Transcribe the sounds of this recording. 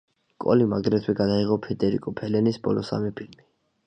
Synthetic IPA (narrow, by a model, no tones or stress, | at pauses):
kʼɔ̰limaɡɾɛt̪ʰwɛɡad̪aiʁɔpʰɛd̪ɛɾḭkʼɔpʰɛlɛnisbɔ̰lɔsa̰mipʰilmi